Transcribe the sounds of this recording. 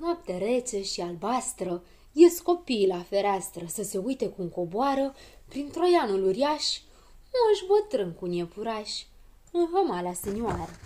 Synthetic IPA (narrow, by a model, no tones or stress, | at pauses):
noap̚t̪eɾet͡ʃeʃialbast̪ɾə | jesko̞pilafe̞ɾeast̪ɾəsəse̞ujt̪e̞kuɨŋko̞boaɾəpɾint̪ɾo̞januluɾjaʃʲ | nuəʃbət̪ɾɨŋkunjepuɾaʃʲ | ɨnɦəmalasenʲjuaɾə